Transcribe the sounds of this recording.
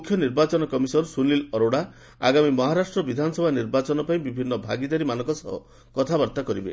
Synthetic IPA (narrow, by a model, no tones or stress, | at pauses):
ukʰjɔniɾbat͡ʃɔnɔkɔmisɔɾsunlilɔɾoɽa | a̰ɡamimɔɦaɾasʈɾɔbid̪ʱanɔsɔbʱaniɾbat͡ʃɔnɔpaĩbibʱinːɔbʱa̰ɡid̪aɾimanɔŋkɔsɔ̰ɦɔ̰ | kɔt̪ʰabɔɾt̪akɔɾibḛ